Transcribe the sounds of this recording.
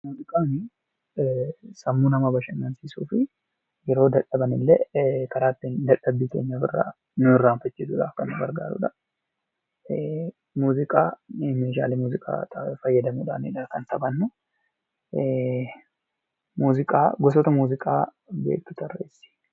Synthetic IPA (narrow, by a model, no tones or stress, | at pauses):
muːzɪkʼaːnɪ | sɐmːunɐmɐbɐʃɐnɡɐnsiːsuːfɪ | jɛɾo̞ːd̪ɐᶑɐbɐnɪlːɛkɐɾaːt̪ːɪnd̪ɐᶑɐbikeːɲːɐbɪ̰rːa̰ː | nʊɪrːaːnfɛt͡ʃːɪd̪ʊᶑa̰ːfkɐnːʊɡɐɾɡaːɾṵᶑ̪ɐ | muːzɪkʼaːmeːʃ̬a̰ːlɪmuːzɪkʼa̰ːt̪ʼɐfɐjːɐd̪ɐmuᶑ̪ɐnɪ̰ᶑɐkɐnsɐbɐnːʊ | muːzɪkʼaːɡɔs̬ɔt̪ɐmuːzɪkʼaː | bḛːk̚t̪ʊ̥t̪ɐrḛːsːi̥